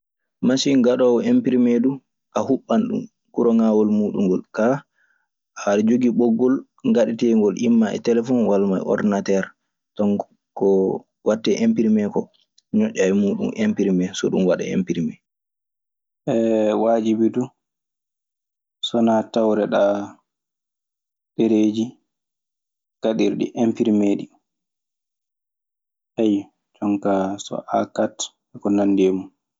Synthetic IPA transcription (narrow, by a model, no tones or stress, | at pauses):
masiŋɡaɗɔwempiɾimɛdu | ʔahuɓːanɗṵm | kuɾɔŋawɔlmuːɗuŋɡɔlka | ʔaɾd͡ʒoɡiɓɔɡːɔl | ŋɡaɗitɛŋɡɔlʔimːaɛ̰tɛlɛfɔnwalma̰jʔɔ̰dnatɛɾ | tɔn | kɔ | watːɛʔempiɾmɛkɔ | ɲɔʔʲːamuːɗṵmʔempiɾimɛsɔ̰ɗumwaɗa̰ḛmpiɾimɛ | ʔɛwad͡ʒibidu | sɔnatawɾɛɗa | ɗeɾed͡ʒi | kaɗiɾɗḭʔempiɾmɛɗi | ʔaj | t͡ʃɔŋkasɔ̰ʔakat | ɛkɔnandemu